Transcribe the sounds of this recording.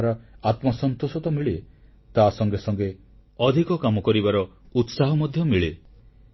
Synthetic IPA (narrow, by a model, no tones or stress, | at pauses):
ɾɔat̪mɔsɔnt̪osɔt̪ɔmiɭe | t̪asɔŋɡesɔŋɡe | ɔd̪ʱikɔkamɔkɔɾibaɾɔut̪saɦɔmɔd̪ʱjɔmiɭe